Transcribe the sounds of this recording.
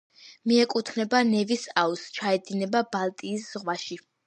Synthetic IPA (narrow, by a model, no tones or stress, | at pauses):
miɛkʼut̪ʰnɛbanɛvisaust͡ʃʰaɛd̪inɛbabalˠt̪ʼiːsz̥ʁwaʃi